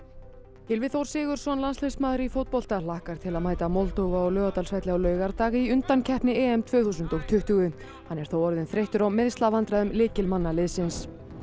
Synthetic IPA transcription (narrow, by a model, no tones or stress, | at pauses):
hɪlvɪθowɾ̥sɪːɣʏɾ̥sɔnlanslesmaːðɾɪifowt̪̚pɔl̥t̪al̥ahkaɾ̥t̪ʰɪlaðmaːjt̪amɔlt̪owɣaɔlœːɣat̪alsvajht̪lɪawlœːɥɣaɾt̪aːɣiʏnt̪ancʰɛhpnɪɛːɛmt̪ʰvœːθuːsʏnt̪ɔɣt̪ʰʏht̪ʏɣʏ | hanːɛɾ̥θowɔɾðɪnθɾejht̪ʏɾawmɪðst̪lavant̪ɾaðʏmlɪːcɪlmanːalɪðsɪns